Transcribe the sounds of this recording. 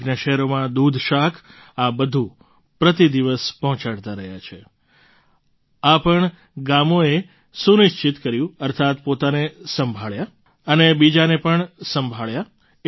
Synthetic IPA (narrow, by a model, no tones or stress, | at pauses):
ɡnaʃɛɦɛɾomãd̪ud̪ʱʃakʰ | abəd̪ʱũ | pɾət̪id̪iʋəspɔɦɔ̃t͡ʃaɽt̪aɾəɦjat͡ʃʰe | apəɳ | ɡamoe | suniʃt͡ʃit̪kəɾjũəɾt̪ʰat̪pot̪anesəmbʱaɭja | ənebid͡ʒanepəɳsəmbʱaɭja